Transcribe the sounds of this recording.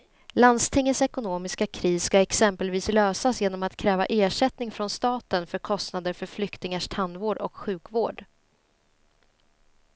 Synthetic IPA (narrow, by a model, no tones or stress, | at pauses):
land̪st̪ʰɪŋːət̪sɛkʊnoːmɪskakʰɾiːsskaɛksɛmpəlviːsløːsasjeːnɔmat̪kʰɾɛːva̰ʔeːʂɛt̪nɪŋfɾɔnst̪ɑːt̪ənfœɾkʰɔst̪nad̪əɾfœɾflʏkt̪ɪŋaʂt̪ʰand̪voːɖɔ̰kɧʉ̟ːkvoːɖ